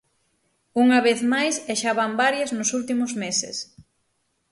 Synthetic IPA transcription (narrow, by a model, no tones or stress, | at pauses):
uŋɐβeθmajseʃaβambaɾjɐznʊsult̪imʊzmesɪ̰s